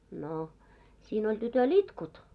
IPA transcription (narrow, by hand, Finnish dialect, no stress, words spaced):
no siːn olʲ tytøl itkut